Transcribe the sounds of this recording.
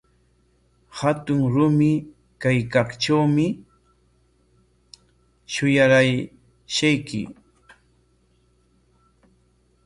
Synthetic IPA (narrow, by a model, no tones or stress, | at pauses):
hat̪ʊŋɾʊmɪ | kajkɑχt͡ʃawmɪ | ʃʊjaɾaj | ʃajkɪ̰